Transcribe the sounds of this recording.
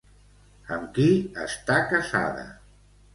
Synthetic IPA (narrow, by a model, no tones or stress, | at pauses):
əmkiə̰st̪akəza̰ðə̰